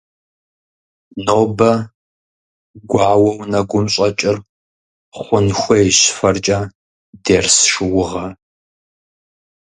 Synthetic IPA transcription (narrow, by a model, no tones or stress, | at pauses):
noːbɐ | ɡʷɑːwɐwnɐɡʷʊmɕʼɐt͡ʃʼɪr | χʷʊnxʷɔɛɕfɐrt͡ʃʼɐ | deːrsʂɨwʊʁɐ